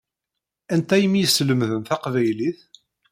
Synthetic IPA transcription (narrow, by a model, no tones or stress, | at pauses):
ænt̪æjəmijəsːləmðəmθæqvæjliθ